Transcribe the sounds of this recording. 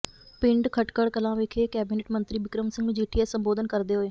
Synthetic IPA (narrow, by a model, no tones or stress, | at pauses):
pɪ̃ɳɖkʰəʈkəɽkəlãːʋekʰeːkɛːbiːneːʈmə̃nt̪ɾiːbɪkɾəmsɪ̃ŋɡẽːd͡ʒeːʈʰɪjɛːsəmboːd̪ənkəɾd̪eːɦoːeː